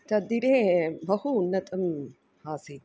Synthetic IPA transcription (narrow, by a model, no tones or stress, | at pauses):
t̪ɐd̪iɾẽːbɐhuːnːɐt̪ɐm | haːsi